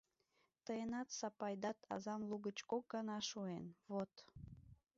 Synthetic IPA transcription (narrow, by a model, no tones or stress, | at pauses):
t̪əenɑt̪sɑpɑjd̪ɑt̪ʰɑ̰zɑmluɣət͡ɕkok̚ɡɑnɑʃuenβot̪